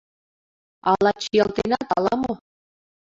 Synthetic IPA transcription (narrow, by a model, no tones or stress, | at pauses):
ɑlˠɑt͡ɕijɑlˠt̪inɑt̪ɑlˠɑmo